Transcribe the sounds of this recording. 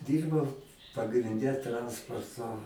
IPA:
ˈdʲiːrbɐʊ pɐɡrʲɪnʲˈdʲɛ ˈtrɐnspoːrtoː

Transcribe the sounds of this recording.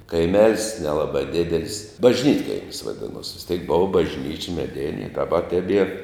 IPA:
kɐɪˈmʲɛlʲsʲ nʲɛˈlˠɑːbɐ ˈdʲɪdʲɛlʲsʲ bɐʒʲˈnʲiːtkɐɪmʲɪs ʋɐˈdʲɪnuɔs ʋʲɪs ˈtʲɛɪk ˈboːʋɐ bɐʒʲˈnʲiːt͡ʃʲɪ mʲɛˈdʲɪnʲɪ ɪ dɐˈbɐ tʲɛˈbʲiɛr

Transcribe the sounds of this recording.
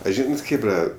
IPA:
ɐ ˈʒʲiːnɐt ˈxʲeːbrɐ

